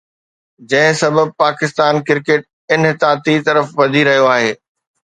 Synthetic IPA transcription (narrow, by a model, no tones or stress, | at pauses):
d͡ʑɐ̃ɦɪ̃sɐbəb̚paːkɪst̪aːnkɪɾkeːʈ̚ | ɪnɦt̪aːt̪it̪ɐɾəfʋɐd̪ʱiɾɐɦijoaːɦeː